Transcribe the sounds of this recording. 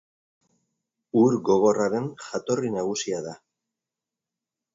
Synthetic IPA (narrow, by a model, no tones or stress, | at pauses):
uɾɣo̞ɣ̞o̞raɾe̞nxat̪o̞rinaɣ̞usiaða